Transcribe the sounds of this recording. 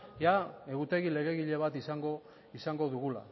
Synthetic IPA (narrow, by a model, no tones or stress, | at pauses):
jae̞ɣut̪e̞ɣile̞ɣe̞ɣiʎe̞β̞at̪isaŋɡo̞ | isaŋɡo̞ðuɣula̰